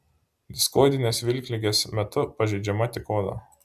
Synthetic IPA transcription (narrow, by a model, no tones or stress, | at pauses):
d̪ʲɪskoːd̪ʲɪnʲeːsʋʲɪlʲˑkʲlʲɪɡʲeːsmʲɛt̪ʊpɐʒʲɛɪd͡ʒʲɛmɐt̪ʲɪkoːd̪ɐ̰ː